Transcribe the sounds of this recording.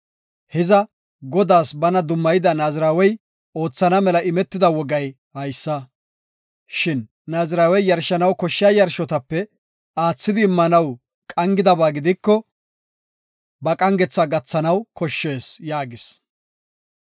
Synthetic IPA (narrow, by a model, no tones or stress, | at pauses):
hɛzɐ | ɡɔd̪aːsbɐnɐd̪ʊmːɐjɪd̪ɐnaːzɪɾaːwɛj | o̞ːt͡sːɐnɐmɛlɐʔɪmɛt̪ːɪd̪ɐwɔɡɐj | hɐjsːɐ | ʃɪnː | aːzɪɾaːwɛjjɐɾʃɐnɐwkɔʃːɪajɐɾʃɔt̪ɐpːɛ | aːt͡sːɪd̪ɪːmːɐnɐw | kʼɐŋɡɪd̪ɐbaːɡɪd̪ɪkːɔ | bɐkʼɐŋɡɛt͡sːɐɡɐt͡sːɐnɐwkɔʃːe̞ːsjaːɡɪs